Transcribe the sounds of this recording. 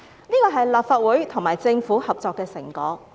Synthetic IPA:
niː˥kɔː˧ɦɐ˨jlaː˨pfaː˨t̚wuː˨˥jt̪ʰʊ˨˩ŋmaː˨˩jt͡sɪ˧ŋfuː˨˥hɐ˨p̚t͡sɔː˧kːɛː˧sɪ̰˨˩ŋkɔː˨˥k̚

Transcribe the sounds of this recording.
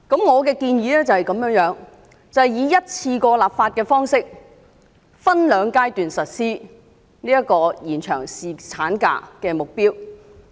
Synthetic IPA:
kɐ˨˥mŋɔː˨˧kɛː˧kiː˧njiː˨˥lɛː˥t͡sɐ˨hɐ˨jkɐ˨˧mjœː˨˥ŋjœː˨˥ŋ | t͡sɐ˨hɐ˨jiː˨˧jɐ˥t̚t͡sʰiː˧kɔː˧laː˨p̚faː˧t̚kɛː˧fɔː˥ŋsɪ˥k̚ | fɐ˥nlœː˨˧ŋkaː˥jt̪yː˨nsɐ˨t̚siː˥ | niː˥jɐ˥kːɔː˧jiː˨˩nt͡ʃʰœ̰ː˨˩ŋsiː˨t͡sʰaː˨˥nka̰ː˧kɛː˧mʊ˨k̚piː˥w

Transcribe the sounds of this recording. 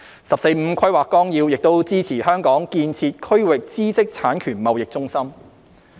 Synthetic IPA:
sɐ˨˩p̚se˧jm̩˨˧kʰɐ˥ɥwaː˨˩kːɔː˥ŋjiː˧wjɪ˨k̚t̪o˥wt͡siː˥t͡sʰiː˨˩ɦœː˥ŋkɔː˨˥ŋkiː˧nt͡sʰiː˧t̚kʰɵ˥ɥwɪ˨k̚t͡siː˥sɪ˥k̚t͡sʰaː˨˥nkʰyː˨˩nmɐ˨wjɪ˨k̚t͡sʊ˥ŋsɐ˥m

